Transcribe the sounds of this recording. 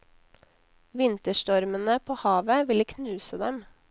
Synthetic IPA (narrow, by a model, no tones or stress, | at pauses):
ʋɪnt̪əʃtɔɾmənəpʰoːhɑːʋəʋɪləkʰnʉːsəd̪ɛm